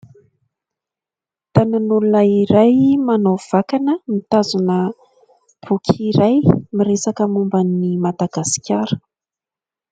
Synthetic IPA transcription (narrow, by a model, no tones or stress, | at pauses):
t̪ananulunəiɾajmanov̥akanəmit̪azunə | b̥ukʲʰiɾajmiɾesakəmumbanːimad̪aɡasi̥kʲaɾə̥